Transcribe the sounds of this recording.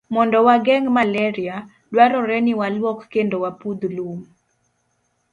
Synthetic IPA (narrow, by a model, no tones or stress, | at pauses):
mɔndɔwaɡɛŋmalɛɾɪa | dwaɾɔɾɛnɪwalwɔkːendowapud̪lum